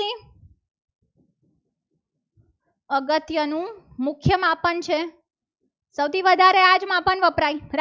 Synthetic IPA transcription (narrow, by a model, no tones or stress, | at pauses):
i | əɡət̪jənũmʊkʰjəmãpəɳt͡ʃʰe | səwt̪ʰiʋəd̪ʱaɾead͡ʒmãpəɳʋəpɾaiɾ